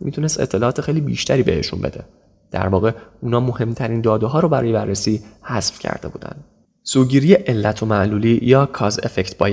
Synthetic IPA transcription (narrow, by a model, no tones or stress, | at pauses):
mit̪ʰune̞st̪e̞t̪ʰːe̞lɒːt̪ʰexejliːbḭʃt̪ʰæɾiːbḛheʃṵnbe̞̰d̪e̞̰ | d̪̥æ̰ɾvɒːɣe̞uːnɒːmohe̞mt̪ʰæɾiːnd̪ɒːd̪oɦɒːɾobæɾɒ̰ːjeærːesiːhæsfcʰæ̰ɾd̥̪e̞bṵːd̪æ̰nd̪̥ | soːɟiːɾijeʔelːæt̪ʰo̞mæʔluːliːjɒːkʰɒːzḛfect̪ʰbɒːj